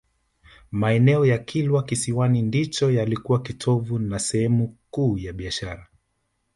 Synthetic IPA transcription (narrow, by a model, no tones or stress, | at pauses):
maɛnɛɔjakʰilwakisiwanindit͡ʃɔjalikuwakitʰɔvunasɛhɛmukuːjaɓiaʃaɾa